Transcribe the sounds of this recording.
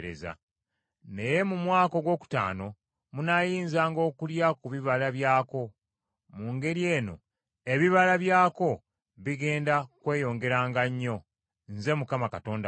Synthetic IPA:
ɾḛza̰ | ne̞je̞mumwaːko̞ɡwo̞ːku̥ta̰ːno̞ | munajiːnzaːŋɡo̞ːkuljakuβiβalaβjaːko̞ | muŋɡe̞ɾie̞ːno̞̰ | e̞βiβalaβjaːko̞ | βiɡe̞ːndakwe̞ːjo̞ːŋɡe̞ɾaːŋɡaɲːo̞ | nze̞mukamakato̞ːnda

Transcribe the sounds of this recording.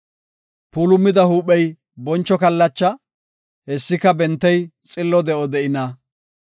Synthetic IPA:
puːlʊmːɪd̪ɐhuːpɛj | bɔnt͡ʃːɔkɐlːɐt͡ʃːɐ | hɛsːɪkɐbɛnt̪ːɛjt͡sʼɪlːɔd̪ɛʔɔd̪ɛʔɪnɐ

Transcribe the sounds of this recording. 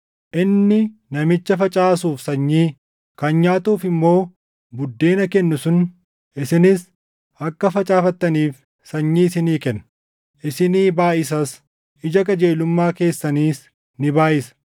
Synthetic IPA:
ʔɪnːɪnɐmɪt͡ʃːɐfɐt͡ʃʼaːsuːfsɐɲːiː | kɐnɲaːt̪uːfɪmːo̞ː | bʊd̪ːe̞ːnɐkɛnːʊsʊn | ʔɪsɪnɪs | ɐkːɐfɐt͡ʃʼaːfɐt̪ːɐniːf | sɐɲːiːɪsɪniːkɛnːɐ | ʔɪsɪniːbaːʔɪs̬ɐs | ʔɪd͡ʒɐk̬ɐd͡ʒe̞ːlʊmːaːke̞ːsːɐniːs | nɪbaːʔɪsɐ̥

